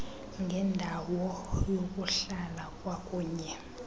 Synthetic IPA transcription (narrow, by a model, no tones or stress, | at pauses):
ŋɡʱɛndʱawɔjok̬ʼuɬalakʼwak̬ʼuːɲɛ